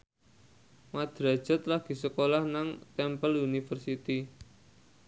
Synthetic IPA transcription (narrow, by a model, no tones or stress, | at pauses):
mad̪̥ɾḁʒ̥ət̪laɡ̥i̤səkolahnaŋt̪ɛmpəlunifərsit̪i